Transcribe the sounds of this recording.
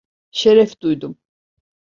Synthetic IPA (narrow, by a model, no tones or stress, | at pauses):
ʃɛɾɛfd̪ujd̪um